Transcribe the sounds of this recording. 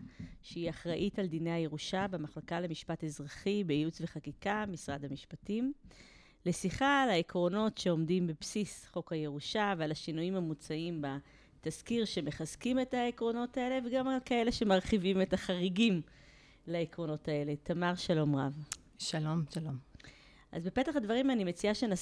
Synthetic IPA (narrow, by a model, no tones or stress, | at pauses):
ʃeiaχʁaʔitaldine̞jhaje̞ʁuʃabemaχlakalemiʃpatezʁaχibeiut͡sve̞χakikamisʁadhamiʃpatim | lesiχaːlaekʁo̞no̞tʃe̞o̞mdimbepsisχo̞khaje̞ʁuʃavealaʃinuimamut͡saimba | taskiʁʃe̞me̞χazkime̞taekʁo̞no̞tae̞le̞veɡamalkae̞le̞ʃe̞maʁχivime̞taχaʁiɡim | laekʁo̞no̞tae̞le̞tʰamaʁʃalo̞mʁa̰v | ʃalo̞mʃalom | ʔa̰zbe̞petaχadvaʁimanimet͡siaʃena